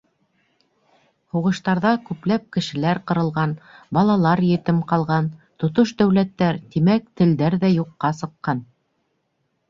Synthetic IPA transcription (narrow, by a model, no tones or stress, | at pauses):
huʁɤ̆ʃt̪ɑɾðɑkʉplæp̚kɘ̆ʃɘ̆læɾqɤ̆ɾɤ̆lˠʁɑnbɑlˠɑlˠɑɾjɘ̆t̪ɘmqɑlˠʁɑnt̪ŏt̪oʃd̪æwlæt̪ːæɾt̪imæk̚t̪ɘ̆ld̪æɾðæjuqːɑsɤ̆qːɑn